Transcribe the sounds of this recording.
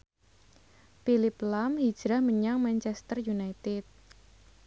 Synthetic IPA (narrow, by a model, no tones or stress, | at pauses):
pilɪplamhi̥d͡ʒ̥ɾahməɲaŋmant͡ʃɛst̪ərjunajt̪ɪt̪̚